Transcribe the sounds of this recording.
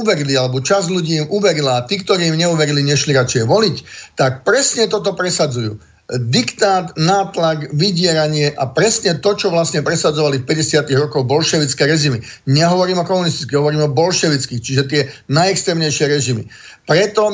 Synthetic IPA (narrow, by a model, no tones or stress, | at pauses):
uʋɛɾilialɛbɔt͡ʃazʎuɟiːimuʋɛɾilaːt̪iːk̚t̪ɔɾiːimɲɛuʋɛɾiliɲɛʃliɾat͡ʃjɛʋɔlict̪ak̚pɾɛsɲɛt̪ɔt̪ɔpɾɛsad͡zujṵː | d̪ikt̪aːt̪naːt̪laɡʋiɟɪɛɾaɲɪɛʔapɾɛsɲɛt̪ɔt͡ʃɔʋlasɲɛpɾɛsad͡zɔʋalifpɛɟɛsɪat̪iɣɾɔkɔɣbɔlʃɛʋit͡skɛːɾɛʒimi | ɲɛɦɔʋɔɾiːmɔkɔmunist̪i̥t͡skɛɦɔʋɔɾiːmɔbɔlʃɛʋit͡skixt͡ʃiʒɛt̪ɪɛnajɛkst̪ɾɛːmɲɛjʃɪɛɾɛʒimḭ | pɾɛt̪ɔ